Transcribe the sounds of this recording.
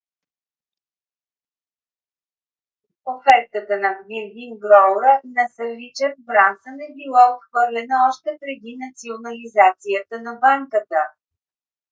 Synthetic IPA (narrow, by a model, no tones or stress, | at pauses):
ofɛk̚t̪ət̪ənɐviɾvimɡɾɔɾənɐsəvit͡ʃəɾ̚bɾansənɛbilˠaot̪xvɤɾlʲɛnəɔʃt̪ɛpɾɛd̪inɐt̪sionɐlizat̪sijət̪ənɐbaŋkət̪ə